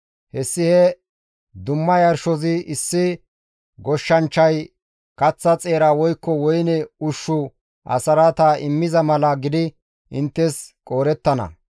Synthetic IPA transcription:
hɛsːɪhɛ | d̪ʊmːɐjɐɾʃɔzɪʔɪsːɪ | ɡɔʃːɐnt͡ʃːɐj | kɐt͡sːɐt͡sʼe̞ːɾaːwɔjkːɔwɔjnɛʊʃːʊ | ʔɐ̰sɐɾat̪aʔɪmːɪzɐmɐlɐɡɪd̪ɪ | ʔɪnt̪ːɛskʼoːɾɛt̪ːɐnɐ̰

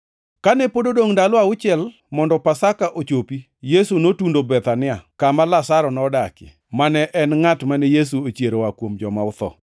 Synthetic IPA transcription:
kanɛpododoŋdalɔaʊt͡ʃɪɛl | mɔndɔpasakaʔot͡ʃopi | jesunotundobɛt̪anɪakamalasaɾɔnɔdakɪ̰ | manɛʔɛnŋatmanɛjes̬uot͡ʃjeɾowakwomd͡ʒɔmaʊt̪ɔ̰

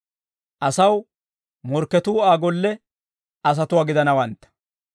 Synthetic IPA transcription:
ʔɐsɐw | mɔɾkːɛt̪uːaːɡɔlːɛ | ɐs̬ɐt̪ʊwaːɡɪd̪ɐnɐwɐnt̪ːɐ̥

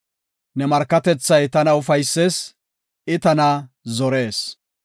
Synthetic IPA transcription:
nɛmɐɾkːɐt̪ɛt͡sːɐjt̪ɐnɐʊfɐjsːeːs | ɪt̪ɐnɐ | zɔɾe̞ːs

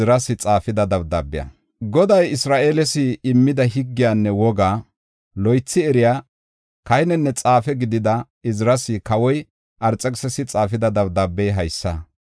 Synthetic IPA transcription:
ɾɐsɪt͡sʼaːfɪd̪ɐd̪ɐwd̪ɐbːɪjɐ̰ | ɡɔd̪ɐjɪsɾaːʔeːlɛsɪːmːɪd̪ɐɦɪɡːɪjaːnːɛwɔɡaː | lɔjt͡sːɪɛɾɪjaː | kɐjnɛnːɛt͡sʼaːfɛɡɪd̪ɪd̪ɐ | ɪzɪɾɐsɪkɐwɔj | ʔɐɾt͡sʼːɛksɛsɪt͡sʼaːfɪd̪ɐd̪ɐwd̪ɐbːɛjɦɐjsːɐ

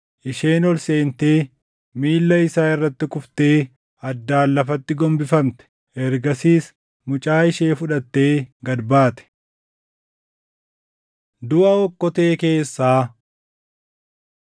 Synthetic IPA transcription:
ʔɪʃe̞ːnɔlse̞ːnt̪e̞ː | miːlːɐɪsaːɪrːɐt̪ːɪkʊft̪e̞ː | ɐd̪ːaːlːɐfɐt̪ːɪɡɔmbɪfɐmt̪ɛ̥ | ɛɾɡɐsiːs | mʊt͡ʃʼaːɪʃeːfʊᶑɐt̪ːe̞ːɡɐd̪baːt̪ɛ̥ | d̪ʊʔɐɔkːɔt̪e̞ːke̞ːsːaː

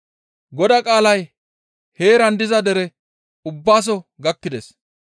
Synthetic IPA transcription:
ɡɔd̪ɐkʼaːlɐj | he̞ːɾɐnd̪ɪzɐd̪ɛɾɛ | ʊbːaːs̬ɔɡɐkːɪd̪ɛs

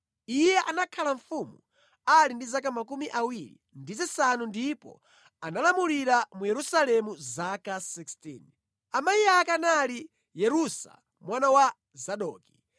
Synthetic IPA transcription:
ijɛʔanakʰalaɱfumu | alindizak̬amakumiʔawiɾḭndit͡sisanundipɔ̰ | analamuliɾamujɛɾusalɛmuzakasikstḭn | amajiakanali | jɛɾusa̰ | mwanawa | zaɗɔːki

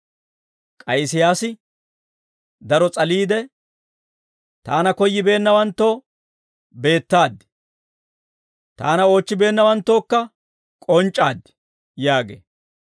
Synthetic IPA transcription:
kʼɐjsɪjaːsɪ | d̪ɐɾɔt͡sʼɐliːd̪ɛ | t̪aːnɐkɔjːɪbe̞ːnːɐwɐnt̪ːo̞ː | be̞ːt̪ːaːd̪ːɪ̥ | t̪a̰ːnɐo̞ːt͡ʃːɪbe̞ːnːɐwɐnt̪ːo̞ːkːɐ | kʼɔnt͡ʃʼːaːd̪ːɪ̥ | jaːɡḛː

